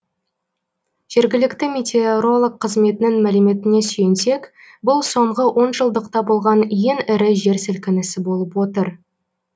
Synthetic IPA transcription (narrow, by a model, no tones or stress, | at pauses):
ʒ̥e̞ɾɡʲɪlɪkt̪ɪmʲe̞t̪ʲe̞oɾo̞lˠəq̚qʰːəzme̞t̪ɪnɪŋmælɪme̞t̪ɪne̞syjense̞k | bʊlˠso̞ɴʁəwʔo̞nʒəlˠd̪əqt̪ɑbolˠʁɑnje̞ŋɪɾɪʒe̞ɾsɪlkʲɪnɪsɪbo̞lˠəpwo̞t̪əɾ